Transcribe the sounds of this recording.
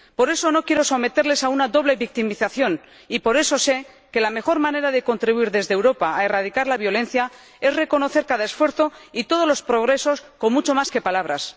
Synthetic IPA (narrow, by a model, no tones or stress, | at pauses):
po̞ɾe̞so̞no̞kje̞ɾo̞so̞me̞t̪e̞ɾle̞saunaðo̞β̞le̞βik̚t̪imiθaθjo̞n | ipo̞ɾe̞sose̞ | ke̞lame̞xo̞ɾmãne̞ɾaðe̞ko̞nt̪ɾiβuiɾðe̞zðewɾo̞paae̞raðikaɾlaβjo̞le̞n̟θja | e̞zre̞ko̞no̞θe̞ɾkaðaesfwe̞ɾθo̞it̪o̞ð̞o̞zlo̞spɾo̞ɣɾe̞so̞sko̞nmut͡ʃo̞maske̞palaβɾas